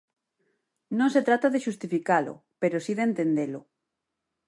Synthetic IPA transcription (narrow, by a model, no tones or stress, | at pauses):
nõŋset̪ɾat̪aðeʃust̪ifikalʊ̰peɾosiðent̪end̪elʊ